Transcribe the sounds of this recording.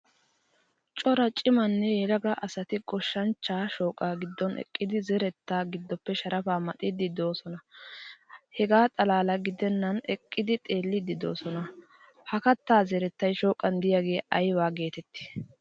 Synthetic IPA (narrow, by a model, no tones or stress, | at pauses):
t͡ʃʼɔɾɐt͡ʃʼɪmɐnːɛjɛɾɐɡɐʔɐsɐt̪ɪɡɔʃːɐnt͡ʃːaːʃo̞ːkʼaːɡɪd̪ːɔnʔɛ̰kʼːɪd̪ɪzɛɾɛt̪ːaːɡɪd̪ːɔpːɛʃɐɾɐfaːmɐt̪ʼɪd̪ɪd̪o̞ːsɔnɐ | hɛɡaːt̪ʼɐlaːlɐɡɪd̪ɛnːɐnɛkʼːɪd̪ɪt̪ʼe̞ːlːɪd̪ɪd̪o̞̰ːsɔnɐ | hɐkɐt̪ːaːzɛɾɛt̪ːɐjʃo̞ːkʼɐnd̪ɪjaɡe̞ːɐjwaːɡe̞ːt̪ɛt̪ːɪ̥